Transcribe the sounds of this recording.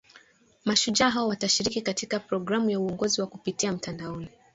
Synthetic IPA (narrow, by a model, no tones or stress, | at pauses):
maʃud͡ʒaɦaɔwataʃiɾikikatikapɾɔɡɾamujauɔŋɡɔziwakupitiam̩tandaɔni